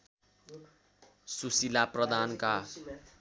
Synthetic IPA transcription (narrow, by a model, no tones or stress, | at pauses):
susilaprʌd̪ʱanka